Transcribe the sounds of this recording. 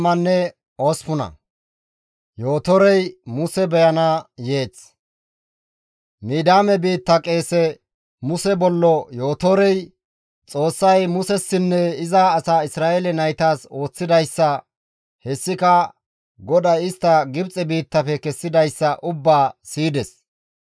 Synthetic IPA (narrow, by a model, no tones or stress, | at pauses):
mɐnːɛ | oːspʊnɐ̰ | joːt̪ɔɾɛjmʊsɛbɛjɐnɐje̞ːt͡s | miːd̪aːmɛbiːt̪ːɐkʼe̞ːsɛ | mʊsɛbɔlːɔjo̞ːt̪ɔɾɛj | t͡sʼo̞ːsːɐjmʊsɛsːɪnːɛɪzaːsaːɪsɾaːʔelɛnɐjt̪aːso̞ːt͡sːɪd̪ɐjsːɐ | hɛsːɪkɐ | ɡɔd̪ɐjɪst̪ːɐɡɪbt͡sʼɛbiːt̪ːɐfɛkɛsːɪd̪ɐjsːɐʔʊbːaːsiːd̪ɛs